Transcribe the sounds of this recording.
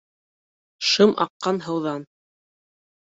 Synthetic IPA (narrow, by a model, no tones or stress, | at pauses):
ʃɤmʔɑ̰qːɑnɦɤ̆wðɑn